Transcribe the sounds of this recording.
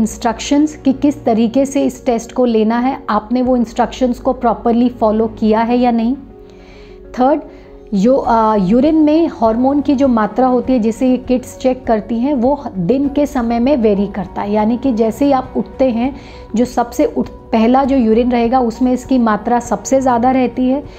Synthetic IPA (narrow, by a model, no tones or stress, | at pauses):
ɪ̃nsʈɾɐkʃənzkikɪst̪ɐɾiːkeseɪsʈeːsʈkoleːnaɦɛaːpneʋoɪ̃nsʈɾɐkʃə̃nzkopɾɔːpəɾlifɔːlokijaɦɛjanɐɦĩː | t̪ʰəːɾɖ | joːjuːɾɪnmẽhɔːɾmoːnkid͡ʒoːmaːt̪ɾaɦoːt̪iɦɛd͡ʒɛsejekɪʈst͡ʃɛkːɐɾt̪iɦɛ̃ʋod̪ɪnkesɐməjmẽʋeːɾikɐɾt̪aɦɛjaːnikid͡ʒɛːseɦiaːpʊʈ̚ʰt̪eɦɛ̃ | d͡ʒoːsɐbseʔʊʈ | pɛɦlad͡ʒoːjuːɾinɾɐɦeːɡaʊsmẽɪskimaːt̪ɾasɐbsezjaːd̪aɾɛɦt̪iɦɛː